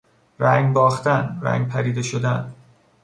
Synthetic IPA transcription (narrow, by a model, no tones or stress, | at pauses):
ɾæŋɡbɒːxt̪ænɾæ̰ŋɡpʰæɾiːd̪e̞ʃod̪æn